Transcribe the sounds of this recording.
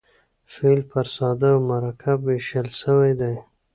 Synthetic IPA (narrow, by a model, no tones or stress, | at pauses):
felpəɾsɑd̪awmaɾɑkʰabweʃəlʃəwajd̪aj